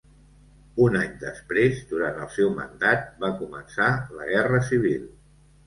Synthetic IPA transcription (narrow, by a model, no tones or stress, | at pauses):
unaɲd̪əspɾezd̪uɾant̪əlˠsɛwmə̰nd̪at̪̚bakumənsalə̰ɣɛrəsiβ̞ilˠ